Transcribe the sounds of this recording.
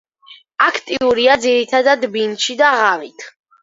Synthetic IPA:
akʰt̪ʼiuɾiad̪ziɾit̪ʰad̪ad̪binʃid̪aʁavit̪ʰ

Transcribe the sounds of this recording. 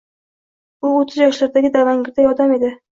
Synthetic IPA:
ʊot̪ʰɪzjɒʃlaɾd̪aɡʲɪd̪avaŋɡʲɪɾd̪ajɒd̪ame̞d̪ɪ

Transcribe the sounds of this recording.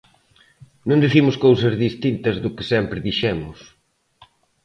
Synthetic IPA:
nũnd̪iθimʊskowsɐzðist̪int̪ɐzðʊkɪsɛmpɾɪðiʃɛmʊs

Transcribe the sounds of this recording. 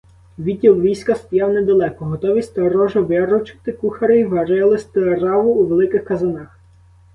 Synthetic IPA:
ʋʲitʲːilʋʲijsʲkɐst̪ɔjɑwnɛd̪ɐlˠɛkɔɦɔt̪ɔʋʲisʲtʲt̪ɐɾɔʒɔʋɪɾɔt͡ʃɪ̥t̪ɪkuxɐɾɪjʋɐɾɛlˠɪsʲt̪ɪrɑʋʊːʋelˠɪkɪxkɐzɐnɑx

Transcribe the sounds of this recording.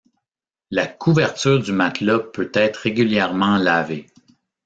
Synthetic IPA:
lakʰuvɛʁt̪yːʁd̪ymat̪lɔpʰøt̪ɛːt̪χʁeɡʲyljɛʁmɑ̃lave

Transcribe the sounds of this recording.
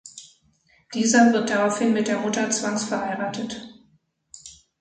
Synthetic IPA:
d̥iːzɐvɪɐt̚d̥aʁaʊfhɪnmɪt̚d̥eːɐmʊtɐt͡sv̥aŋsfɛɐhaɪʁaːtʰət

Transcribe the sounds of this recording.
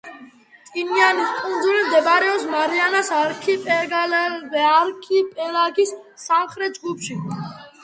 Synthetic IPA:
t̪ʼinianiskʼund̪zulimd̪ɛbaɾɛɔpsmaɾianasaɾkʰipʼɛɡlaɾkʰipʼɛlaɡisː | amχɾɛt̪̚d͡ʒɡupʃi

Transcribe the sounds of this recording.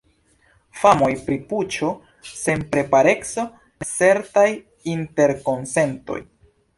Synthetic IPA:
famo̞jpɾiput͡ʃo̞ | se̞npɾe̞paɾe̞kso̞ | t͡se̞ɾtaj | inte̞ɾko̞nse̞nto̞̰j

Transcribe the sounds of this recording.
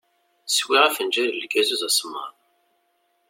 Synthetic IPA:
swiʁæfənd͡ʒæɾəlɡæzuzæsmə̰ɾ

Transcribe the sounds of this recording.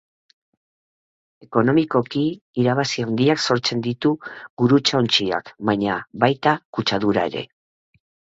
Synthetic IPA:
e̞ko̞no̞miko̞kiːɾaβasiawnd̪iakso̞ɾt͡se̞nd̪it̪uɡuɾut͡ʃaont͡ʃia̰kβaɲaβajt̪akut͡ʃaðuɾae̞ɾe̞̰

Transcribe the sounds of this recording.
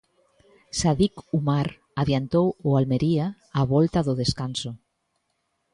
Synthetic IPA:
saðikumaɾ | aβjant̪owʊalmeɾiaː | βɔlt̪aðʊðeskanso

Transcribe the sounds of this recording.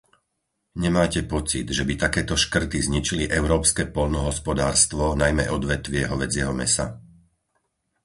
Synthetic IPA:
ɲɛmaːcɛpɔt͡sid̪ʒɛbit̪akɛːt̪ɔʃkr̩t̪izɲit͡ʃiliʔɛʊɾɔːpskɛːpɔʎnɔɦɔspɔd̪aːɾst̪ʋɔnajmɛ̰ʔɔd̪ʋɛt̪ʋɪɛɦɔʋɛd͡zɪɛɦɔmɛsa̰

